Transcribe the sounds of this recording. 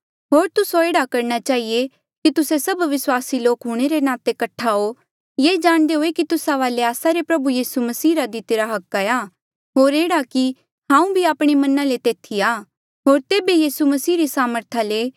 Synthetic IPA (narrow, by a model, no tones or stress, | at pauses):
ɦoːɾt̪ʊsoeːɽakɐɾñat͡ʃaːɦie | kit̪ʊsesɐbʋɪswaːsiloːkɦʊɽ̃eɾenaːt̪ekɐʈʰːao | jeːd͡ʒãːɽ̃d̪eɦoːekit̪ʊsaʋaːleaːsaɾepɾɐbujiːsumɐsiːɾad̪it̪eːɾaɦɐkːajaː | ɦoːɾeːɽaki | ɦãːũbʱiaːpɽ̃emɐnalet̪eːt̪ʰiaː | ɦoːɾt̪eːbejiːsumɐsiːɾisaːməɾt̪ʰale